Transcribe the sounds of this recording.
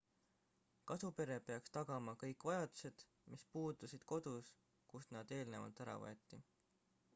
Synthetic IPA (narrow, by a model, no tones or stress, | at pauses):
kɑsupe̞ɾe̞pe̞ɑkst̪ɑɡɑmɑkɤjkːˑvɑjɑd̪̥u̥se̞d̪̥ | mispuːd̪usid̪̥ko̞d̪̥us | kusnɑd̪̥e̞ːlne̞vɑ̰lt̪ˑæɾɑ̰vɤ̰et̪ˑːi